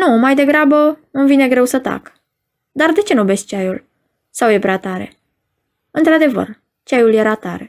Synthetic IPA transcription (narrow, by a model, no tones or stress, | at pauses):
numajd̪e̞ɡɾabəɨmvine̞ɡɾe̞wsət̪a̰k | d̪ard̪e̞t͡ʃe̞nube̞st̪t͡ʃajul | sawje̞pɾeat̪aɾe̞̰ | ɨnt̪ɾad̪e̞və̰r | t͡ʃajulje̞ɾat̪aɾe̞